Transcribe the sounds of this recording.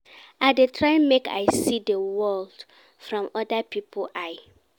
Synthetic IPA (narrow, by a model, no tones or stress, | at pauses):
adetʰɹãɪmekʰa̰ɪsidəwɔld̥ | fɹɔ̃mɔdapʰipʰlʔaɪ